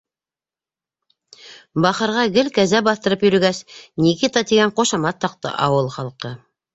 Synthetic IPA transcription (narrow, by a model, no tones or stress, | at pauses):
bɑχɤ̆ɾʁɑɡɘlkæzæbɑθt̪ɤ̆ɾɤpjɵ̆ɾɵ̆ɡæsnikit̪ɑt̪iɡæɴqŏʃɑmɑt̪ːɑq̚t̪ɤ̰ʔɑwɤlˠχɑlˠqɤ